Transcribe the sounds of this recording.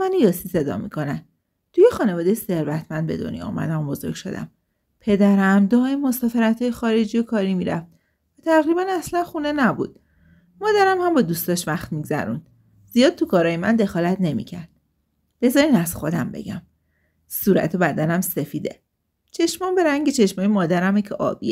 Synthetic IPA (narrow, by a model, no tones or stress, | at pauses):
mænijɒːsise̞d̪ɒ̰ːmḭkʰo̞næn | t̪ʰujexɒːne̞vɒːd̪ejese̞ɾvæt̪ʰmænd̪̚be̞̰d̪o̞̰njɒ̰ṵmæ̰d̪æmbo̞zo̞̰ɾɡ̥ʲʃo̞̰d̪æ̰m | pʰe̞d̪æɾæmd̪ɒːemːo̞sɒːfeɾæt̪ʰhɒːjexɒːɾe̞d͡ʒijokʰɒːɾimiɾæft̪̚ | væt̪ʰæʁɾibænæslænxune̞næbṵd̪̥̚ | mɒːd̪æɾæmhæmbɒːd̪uːst̪ɒʃvæxt̪miɡzæ̰ɾun | z̥ijɒːd̪̥̚tʰukʰɒːɾɒːjemæ̰nd̪e̞xɒːlæt̪ʰne̞mḭcʰæɾd̪̥̚ | b̥e̞zɒːɾinæz̥xo̞d̪æmbe̞̰ɟæ̰m | suːɾæ̰t̪ʰo̞bæd̪ænæmse̞fiːd̪e̞̰ | t͡ʃʰe̞ʃmɒmbe̞ɾæŋɟet͡ʃʰe̞ʃmɒːjemɒːd̪æɾæmecʰeʔɒ̰ːb̥ie